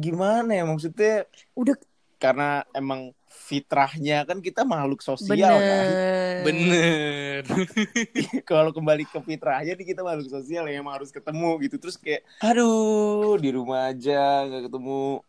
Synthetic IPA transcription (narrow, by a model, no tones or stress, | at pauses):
ɡimanajamaks̬ut̪̚ɲa | uda | karənaemaŋ | fit̪ɾahɲakankit̪amahlʊk̚sosialabənər | kalokəmbalikəfit̪ɾahɲadɪkit̪amalʊk̚sosialjamaaɾʊskət̪əmuɡit̪ut̪əɾʊskajaʔado | diɾumaːd͡ʒaŋɡaʔkət̪əmu